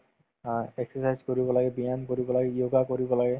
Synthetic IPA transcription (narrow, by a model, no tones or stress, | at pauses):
ɛksɔsajzkoɹibɔlaɡɛbiankoɹibɔlaɡɛijoɡakoɹibɔlaɡɛ